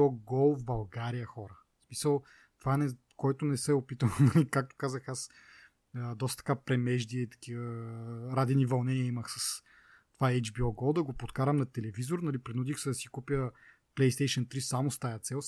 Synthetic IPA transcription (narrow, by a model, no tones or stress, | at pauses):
ɔɡɔlˠbɐlˠɡaɾijəxɔɾə | smisəlˠ | t̪ovanɛ | kɔjt̪ʊnɛsɛopit̪əlˠnɐlikak̚t̪o̥kazəxas | d̪ɔst̪t̪ɐ̥kapɾɛmɛʒd̪iɛit̪ɐ̥kivəɾad̪ɛnivɐlˠnɛniəiməxsɐs | t̪ovaɛd͡ʒbiɔɡɔlˠd̪ɐɡopot̪kaɾəmnɐt̪ɛlɛvizoɾnɐlipɾinud̪ixsɛd̪ɐsi̥kupʲjə | plɛjst̪ɛjʃənt̪ɾisamost̪ajət̪sɛlˠ